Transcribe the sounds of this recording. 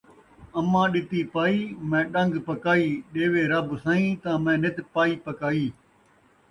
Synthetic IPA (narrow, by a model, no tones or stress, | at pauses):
ɐmãːɗɪt̪iːpaːiːmɛ̃ːɗə̃ŋɡpəkaːiːɗeːʋeːɾɐbsãĩːt̪ãːmɛ̃ːnɪt̪paːiːpɐkaːiː